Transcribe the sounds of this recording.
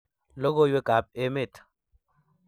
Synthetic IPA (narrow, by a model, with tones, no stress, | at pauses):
lo˦ɡo˦jwe˦ka˨p̚e˦mɪ˦˨t